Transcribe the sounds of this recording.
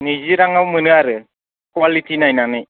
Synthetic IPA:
niziɾaŋawmɯnɯaɾɯ | kwalitʰinajnanɯj

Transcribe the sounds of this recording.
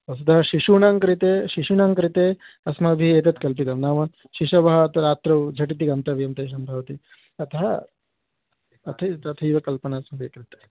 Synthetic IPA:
ɐs̬ud̪ɐɦɐʃiʃuːɳaːŋkɾit̪eːʃiʃunaːŋkɾit̪eːɐsmɐbʱieːt̪ɐt̪kɐlpit̪ɐmnaːʋɐ | ʃiʂɐʋɐɦɐɐt̪ɐɾaːt̪ɾɐwd͡ʒʱɐʈit̪̬iɡɐmt̪ɐʋjɐmt̪eːʃ̬ɐmbʱɐʋɐt̪i | ɐt̪ɐɦɐ | ɐt̪ʰɐt̪ɐt̪ʰɐjʋɐkɐlpɐnɐːsmɐbʱikɾit̪ɐ

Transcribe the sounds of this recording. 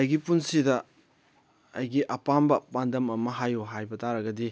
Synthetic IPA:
ɐjɡipunsidɐ | ɐjɡiʔɐpambɐpandɐmɐmɐɦajoɦajbɐtaɾɐɡɐdi

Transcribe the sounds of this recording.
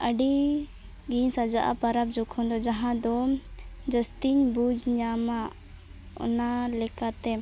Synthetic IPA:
ʔəɖi | ɡiɲsad͡ʒaʔa̰paɾabd͡ʒɔkʰɔ̃nd̪ɔd͡ʒaɦãd̪ɔ | d͡ʒəst̪iɲbud͡ʒɲama | ɔ̰nalɛkat̪ɛ

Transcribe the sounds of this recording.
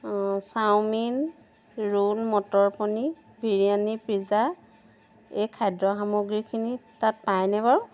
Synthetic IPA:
sawmin | ɹulmɔtɔɹpɔni | bʱiɹijanipɹiza | ejkʰajdɹɔxamuɡɹikʰinitat̚pajnɛbaɹʊ

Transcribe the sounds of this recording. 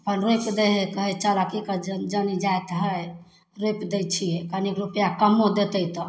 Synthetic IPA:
əpənɾojpd̪eɦɛkəɦɛt͡ʃəlakikəd͡ʒd͡ʒənid͡ʒajt̪ɦəj | ɾojpd̪ejt͡ʃʰijɛkənikɾupjakəmod̪et̪əjt̪ɔ

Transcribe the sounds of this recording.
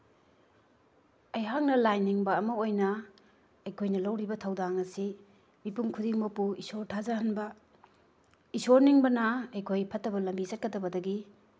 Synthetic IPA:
ɐjɦaŋnɐlajniŋbɐːmɐojnɐ | ɐjkʰojnɐlɐwɾibɐtʰɐwdaŋɐsi | mipuŋkʰudiŋmɐpuisoɾtʰazaɦɐnbɐ | isoɾniŋbɐnɐɐjkʰojpʰɐtːɐbɐlɐmbisɐt̚kɐdɐbɐdɐɡi

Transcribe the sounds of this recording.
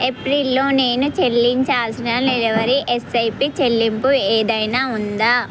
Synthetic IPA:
epɾilːo̞ːne̞ːnut͡ʃe̞lːiɲt͡ʃaːlsinaːnlelʋɐɾiʔesɐjpit͡ʃelːimpueːd̪ɐjnaːund̪aː

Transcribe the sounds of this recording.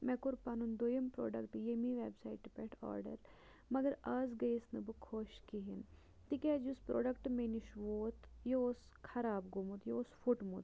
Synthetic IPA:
mɛkuɾpaːnund̪oːjɐmpɾo̰ːɖɐkʈjemiʋeːbsaːiʈːpɛʈʰɔ̰ːɾɖə̰ɾ | mɐɡɐɾaːzɡɐisnɨbɨkʰoːʃkiɦin | t̪iked͡ʒuspɾʔo̰ːɖɐkʈmeːniʃʋoːt̪joos | kʰɐɾaːbɡumut̪joosfʰuʈmut̪

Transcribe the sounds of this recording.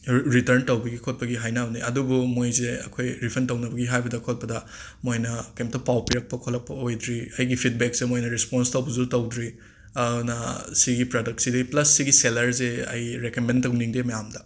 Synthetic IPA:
ɾitɐɾntɐwbɐɡikʰot̚pɐɡiɦajnabniɐdubumojzeɐ̰kʰojɾipʰɐɾntɐwnɐbɐɡiɦajbɐdɐkʰot̚pɐdɐ | mojnɐkɐjmtɐpawpiɾɐk̚pɐkʰolɐk̚pɐojdɾiɐjɡipʰit̚bek̚semojnɐɾisponstɐwbɐzutɐwdɾi | ɐnɐsiɡipɾodɐk̚tsidɐplɐsːiɡiselɐɾzeɐ̰jɾekɐmentɐwniŋdemɐjamdɐ

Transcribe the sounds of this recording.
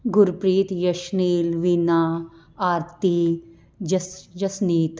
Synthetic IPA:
ɡuɾpɾiːt̪jɐʃniːlʋina | aːɾt̪i | d͡ʒɐsd͡ʒɐsniːt̪

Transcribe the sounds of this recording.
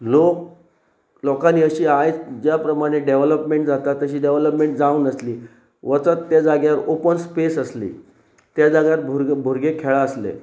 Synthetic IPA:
lok̚ | lɔkãnːiːəɕiːajt͡sd͡ʑjapɾəmaɽ̃eɖeʋləpmeɳʈd͡zat̪at̪ːəɕiːɖeʋləpmeɳʈ̚d͡zaũːnəsliː | ʋət͡sət̪ːjad͡zaɡjaəɾopənspesəslḭː | t̪jad͡zaɡjat̪̚bʱbʱuɾɡekʰeɭaəslḛ

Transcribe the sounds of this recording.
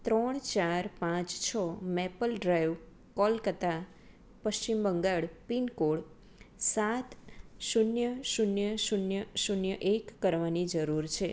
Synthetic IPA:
t̪ɾɔɳ̃t͡ʃaɾpãt͡ʃt͡ʃʰɔmepəlɖɾajʋ | kɔlkət̪a | pəʃt͡ʃimbəŋɡaɭpinkoɽ | sat̪ʃunjəʃunjəʃunjəʃunjəʔekːəɾʋanid͡ʒəɾuɾt͡ʃʰe

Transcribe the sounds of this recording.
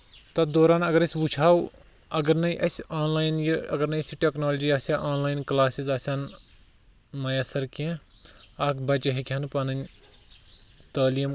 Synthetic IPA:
t̪ɐd̪oːɾaːnɐɡɐɾɐsʲbut͡ʃʰaːw | ɐɡɐɾnɐiʔɐsaːnlaːjnjiɐ̰ɡɐɾnɐiɐsiʈeːknoːld͡ʒiaːsaʔaːnlaːjnklaːsizaːsʲaːn | mɐjasɐɾkẽ | aːkʰbɐt͡ʃɐɦikʰʲɐnpɐnɐn | t̪əːlijɐm

